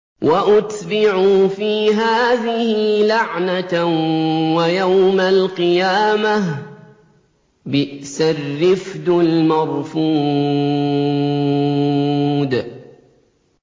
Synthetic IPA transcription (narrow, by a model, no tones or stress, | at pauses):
wʔaʔʊt̪bɪʕuːfiːɦaːðɪhɪlaʕna | wajawmalqɨjaːma | bɪʔsarːɪfd̪ʊlmɑɾˤfuː | d̪